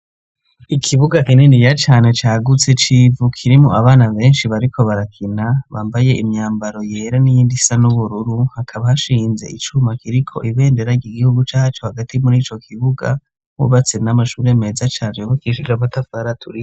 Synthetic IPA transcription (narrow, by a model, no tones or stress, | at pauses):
ikʰiβuɡakinenijat͡ʃaːne̞t͡ʃaːɡut͡se̞t͡ʃiːvukʰiɾimuʔaβaːnaβe̞ːnʃiβaɾikʰo̞βaɾakʰinaβa̰ːmbaje̞ʔimɲaːmbaɾo̞jeːɾanijiːndisanuβuɾuɾuhakʰaβahaʃiːnze̞̰ʔit͡ʃumakiɾikʰo̞ʔiβe̞ːnde̞ɾaɾɟiːɡihuɡut͡ʃaːhat͡ʃo̞haɡatimuɾiːt͡ʃo̞kʰiβuɡa̰ | hṵβat͡senamaʃuːɾe̞me̞zat͡ʃaːnoukiʃid͡ʒaβatafaɾatʰuɾi